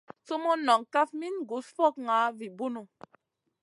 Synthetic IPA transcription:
t͡so˦mo˦nɔ˨ŋka˦fmi˦nɡu˨˦sfɔ˦˨k̚ŋa˨˦vi˨bu˦no˨

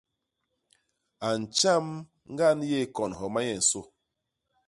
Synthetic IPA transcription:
a˨n̩˨t͡ʃa˦m | ŋ̩˦ɡa˦nje˦˨kɔ˨nɦɔ˨ma˦jɛ˨n̩˨so˦˨

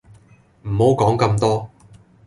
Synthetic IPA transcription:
m̩˨˩ho˨˥wkɔː˨˥ŋkɐ˧mt̪ɔː˥

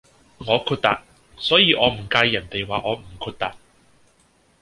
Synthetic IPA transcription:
ŋɔː˨˧kʰuː˧t̚t̪a̰ː˨˩t̚ | sɔː˨˥jiː˨˧ʔɔː˨˧m̩˨˩kaː˧jːɐ˨˩nt̪e˨jwaː˨ʔɔː˨˧m̩˨˩kʰuː˧t̚t̪aː˨˩t̚

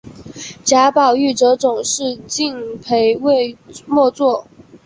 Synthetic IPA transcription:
t͡ɕja˧˥pɑ˨˩ʊy˥˩ʈ͡ʂɤ˧˥t͡sʊ˨˩ŋʂɻ̩˥˧t͡ɕi˥˧ŋpʰe˧˥ɪwe˥˧mwɔ˥˧t͡swɔ˥˩

